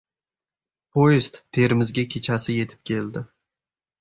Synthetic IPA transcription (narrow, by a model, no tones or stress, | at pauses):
pʰojɪst̪ːʰe̞ɾɪmɪzɡʲakʲʰe̞t͡ʃʰasɪje̞t̪ʰɪ̥p̚kʲʰe̞ld̪ɪ